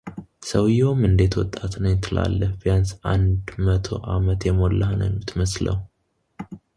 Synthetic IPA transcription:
səwjomɨnd̪e̞t̪wɔt̪ʼːat̪nəwjɪt̪ʰːɨla̰lːəfbijansʔand̪mət̪ʰo̞̰ʔamət̪jɛmolːahnə̰wmːɨt̪ʰməslə̰w

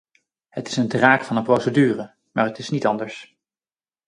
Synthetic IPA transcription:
ɦətɪ̥səndraːkfɑnənprowsədyːrə | maːɹɦətɪsnitɑndəɹs

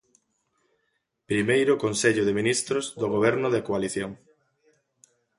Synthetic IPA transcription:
pɾimejɾʊkonseʎʊðɪminist̪ɾʊzðʊɣoβ̞ɛɾnʊðɪkoaliθjoŋ

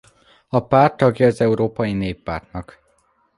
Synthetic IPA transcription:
ɒpaːrt̪ːɒɡjɒːzɛuɾoːpɒjineːpːaːrt̪nɒk

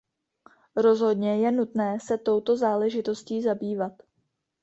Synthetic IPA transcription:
ɾo̞zɦo̞dɲɛjɛnut̪nɛːsɛt̪o̞wt̪o̞zaːlɛʒɪt̪o̞sciːzabiːvat̪

